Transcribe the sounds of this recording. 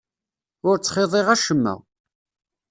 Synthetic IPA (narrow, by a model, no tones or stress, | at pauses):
ʊɾt͡sːχeðˤeʁæʃəmːæ̰